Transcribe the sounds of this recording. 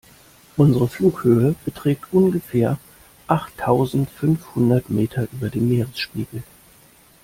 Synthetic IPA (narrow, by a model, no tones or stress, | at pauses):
ʔʊnzəʁəfluːkhøːəb̥ətʁ̥ɛːk̚tʔʊnɡəfɛːɐ | ʔaχtʰːaʊzn̩tfʏnfhʊndɐtmeːtʰɐʔyːbɐdeːnmeːʁəsʃpiːɡl̩